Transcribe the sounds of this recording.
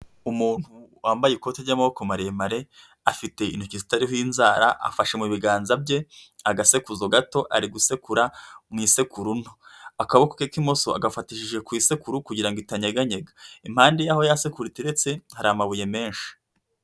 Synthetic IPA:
umuːn̥huwaːmbajeko̞teɾɟamaβokomaɾemaɾe̞ | afite̞ḭn̥ucizitaɾiɦojinzaːɾa̰ʔa̰faʃe̞muβiɡaːnzabje̞aɡase̞kuzoɡato̞ʔa̰ɾiɡuse̞kuɾamŋiːse̞kuɾunoakaβoko̥kekimo̞so̞a̰ɡafatiʃiʒe̞kwiːse̞kuɾukuɟiɾaŋɡoitaɲeɡaɲeɡḁim̥haːndejaho̞jase̞kuɾiteɾet͡se̞haɾaːmaβuje̞me̞ːnʃi̥

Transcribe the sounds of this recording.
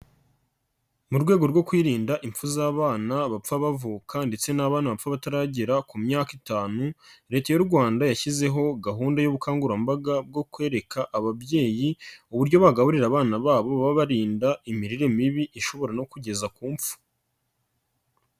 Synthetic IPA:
muɾɡweːɡo̞ɾɡo̞kwiːɾiːndaʔiɱfuzaːβaːnaβap͡faβavuːkʰande̞t͡se̞naβaːnaβafaβataɾaːɟiɾakumɲaːkitaːnuɾe̞ːtajouɾɡwaːndajaçize̞ɦo̞ɡaɦuːndajoβukaːŋɡuɾambaɡab̚ɡo̞kwe̞ːɾe̞kʰaʔaβabɟe̞ːjiuβuɾɟo̞βaɡaβuɾiɾaːβaːnaβaːβo̞βaβaβaɾiːndaimiɾiɾe̞miβiʔiʃo̞βo̞ɾano̞kuɟe̞zakuːmp͡fu̥

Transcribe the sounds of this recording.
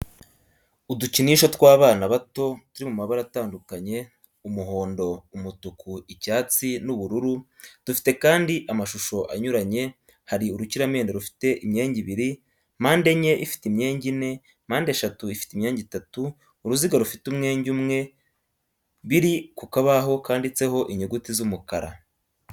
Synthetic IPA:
uduciniʃo̞twaːβaːnaβato̞tuɾimumaβaɾataːndukaɲe̞ | umuɦo̞ːndo̞umutukuicaːt͡sinuβuɾuɾu | d̥ufi̥te̞kaːndiʔamaʃuʃo̞ʔa̰ɲuɾaɲe̞ | haɾiuɾuciɾame̞ːndeɾufi̥te̞ʔimɲe̞ːɲɟiβiɾi | maːnde̞ɲe̞ʔifi̥timɲe̞ːɲɟine̞ | maːndeʃatuifi̥timɲe̞ːɲɟitatuː | ɾuziɡaɾufitumŋe̞ːɲɟumŋe̞ | βiɾikukaβaɦo̞kaːndit͡se̞ɦo̞ʔiɲeɡutizumukaɾa̰

